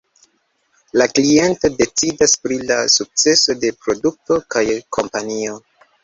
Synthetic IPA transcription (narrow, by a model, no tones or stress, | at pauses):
laklie̞nto̞de̞t͡sidaspɾilasuk̚t͡se̞so̞de̞pɾo̞duk̚to̞kajkʰo̞mpanio̞